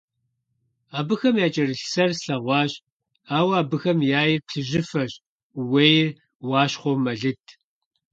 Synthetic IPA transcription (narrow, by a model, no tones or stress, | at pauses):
aːbɨxɐmjaːt͡ʃʼɐrɨɬsɐrɬɐʁʷɑːɕ | aːwaːbɨxɐmjaːjɪrpɬɨʑɪfɐɕ | weːjɪr | wɑːɕχʷowmɐɮɨtʰ